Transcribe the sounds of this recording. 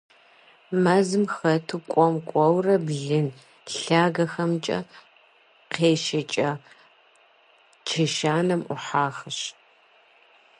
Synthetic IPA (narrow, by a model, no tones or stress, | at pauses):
mɐzɨmxɐtʰukʷʼɔmkʷʼɔwrɐbɮɨn | ɬaːɡɐxɐmt͡ʃʼɐ̰ | qeːʃɐt͡ʃʼɐ | t͡ʃʰeʃaːnɐmʔʷʊ̰ħaːxɐɕ